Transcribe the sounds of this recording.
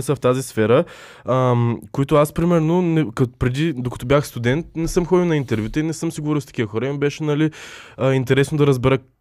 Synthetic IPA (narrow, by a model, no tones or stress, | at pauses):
ɛsəft̪azisfɛɾə | əmkoit̪ʊaspɾimɛɾnonɛkpɾɛd̪id̪okɐ̥t̪ɔbʲjaxst̪ud̪ɛnt̪̚nɛsəmxɔd̪ilˠnɐint̪ɛɾvʲjut̪əinɛsəmsiɡovɔɾilˠst̪ɐ̥kʲivəxɔɾəimibɛʃɛnɐliint̪ɛɾɛsnod̪ɐɾɐzbɛɾə